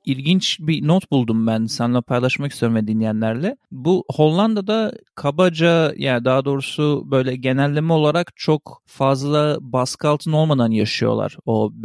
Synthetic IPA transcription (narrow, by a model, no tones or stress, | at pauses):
ilʲɟint͡ʃbinot̪bulˠd̪umbænsanlˠapʰajlˠaʃmakist̪ʰeɾumvɛd̪inːʲijænlʲæɾlʲɛbuho̞lˠːand̪ad̪akʰabad͡ʒajaːnd̪aɦad̪o̞ːɾusubø̞jlʲɛɟe̞nælʲːimio̞lˠaɾakt͡ʃʰok | fazlˠabaskalˠt̪ʰɯno̞lˠmad̪anjaʃɯjo̞̰lˠa̰ɾ̥o̞b